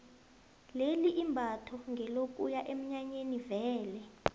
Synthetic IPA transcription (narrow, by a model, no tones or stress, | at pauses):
leliʔimbʱatʰɔŋɡʱɛlok̬ʼujaʔem̩ɲaɲenivɛːlɛ